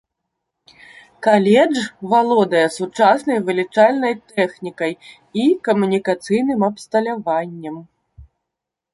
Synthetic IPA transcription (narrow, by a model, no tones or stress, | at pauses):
kalʲɛd͡ʐvalˠɔd̪ɐjɛsut͡ʂasnɐjvɨlʲit͡ʂalʲnɐjt̪ɛxnʲikɐj | ikɐmunʲikat̪sɨjnɨmɐpst̪ɐlʲavanʲːɐm